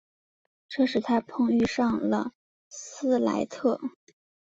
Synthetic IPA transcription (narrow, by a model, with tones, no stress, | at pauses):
ʈ͡ʂɤ˥˧ʂɻ̩˨˩t̪ʰa˥pʰɤ˥˧ŋy˥˧ʂɑ˥˩ŋlə̰˩ | sɹ̩˥la̰˧˥ɪt̪ʰɤ˥˩